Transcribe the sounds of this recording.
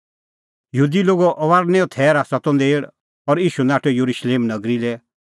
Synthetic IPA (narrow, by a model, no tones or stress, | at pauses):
jəɦud̪iloːɡɔʔɔʋaːɾnɛɔt̪ʰɛːɾasɔt̪ɔ̃nd̪eːɽ | ɔɾiːʃunaːʈʰɔjuɾuʃleːmnɐɡɾilɛ